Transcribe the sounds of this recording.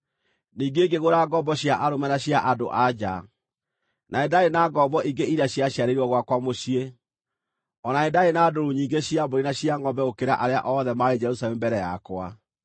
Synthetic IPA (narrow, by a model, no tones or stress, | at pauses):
niːŋɡeːɡeɣoɾaɡɔbɔɕjaʔaɾomanaɕjaʔado̰ʔad͡ʑa̰ | nʔaedaenaɡɔbɔʔiɡeiɾaɕiaɕjaɾeɾiwɔɣwakwamoɕie | ɔnaedaenadoɾuɲiːŋɡeɕiaboɾinaɕjaŋɔbɛokeɾa̰ʔaɾea̰ʔɔðɛmaɾed͡ʒɛɾusaɛmbɛɾɛja̰kwa̰